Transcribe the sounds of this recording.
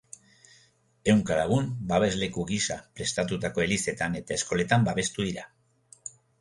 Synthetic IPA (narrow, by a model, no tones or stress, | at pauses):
e̞wŋkalaɣumbaβe̞zle̞kuɣisapɾe̞st̪at̪ut̪ako̞e̞lise̞t̪ane̞t̪ae̞sko̞le̞t̪ambaβe̞st̪uðiɾa